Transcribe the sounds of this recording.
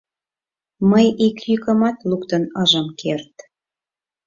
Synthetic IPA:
məjikjykə̆mɑt̪lukt̪ənəʒəmkʰert̪

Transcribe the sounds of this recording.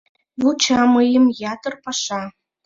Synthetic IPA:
vut͡ɕɑmɤjə̆mjɑt̪ɤ̆rpɑʃɑ

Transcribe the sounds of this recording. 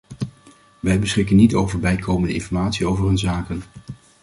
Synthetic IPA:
ʋɛjbəsχɪkənːitowvəɹbɛjkʰowməndəɪ̰nfɔɹmaːtsiowvəɹɦɵnzaːkən

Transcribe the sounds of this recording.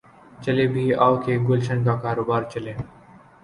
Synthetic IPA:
t͡ʃəleːbʱiːaːʋkeːɡʊlʃənkaːkaːɾoːbaːɾt͡ʃəleː

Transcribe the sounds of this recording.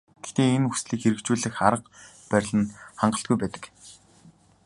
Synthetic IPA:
ɡ̥e̥xt̪eːenusɮiːkxeɾɘ̆kt͡ɕuːɮɘ̆xaɾə̆q | pæɾ̆ʲɮə̆nχaɴɢə̆ɬt̪̚ɡujpæːt̪ə̥̆k

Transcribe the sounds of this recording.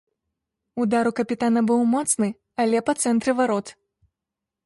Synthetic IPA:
ud̪aɾukɐpʲit̪anɐbɨwmɔt̪snɨ | alʲɛpɐt̪sɛnt̪ɾɨvaɾɔt̪

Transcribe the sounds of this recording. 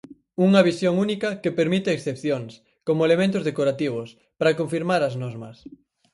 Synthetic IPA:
uŋɐβisjoŋunikɐkepeɾmit̪eːksθepθjoŋs | komoelemẽnt̪ʊzðekoɾat̪iβ̞ʊs | pɾɐkoɱfiɾmaɾɐznoɾmɐ̰s

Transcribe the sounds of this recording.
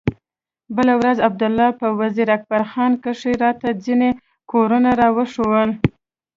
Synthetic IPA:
bəlawɾazab̚d̪ʊlːɑpəwaziɾak̚baɾxɑnkəʂeɾɑt̪ad͡zine | koɾunaɾɑwəʂowəl

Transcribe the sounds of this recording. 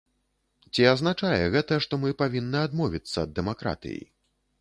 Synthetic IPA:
t͡sʲiaznat͡ʂajɛɣɛt̪ɐʂt̪ɔmɨpavʲinːɨad̪mɔvʲit̪sːɐːd̪ːɛmakɾa̰t̪ɨ̰jḭ

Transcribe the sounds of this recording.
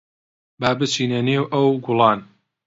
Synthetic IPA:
baːbɨt͡ʃiːnɐneːwʔɐwɡʊlˠɑːn

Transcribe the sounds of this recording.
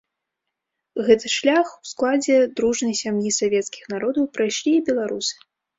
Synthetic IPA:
ɣɛt̪ɨʂlʲaxwsklˠad͡zʲɛd̪ɾuʐnɐjsʲamjisavʲɛt̪skʲixnaɾɔd̪ɐwpɾajʂlʲiːbʲɛlˠaɾusɨ̥

